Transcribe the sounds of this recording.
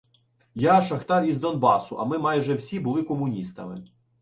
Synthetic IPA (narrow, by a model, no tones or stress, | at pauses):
jaʃɐxt̪ɑɾʲizd̪ɔnbɑsʊʔɐmɪmɑjʒɛwsʲibʊlˠɪkɔmʊnʲist̪ɐ̰mɪ̰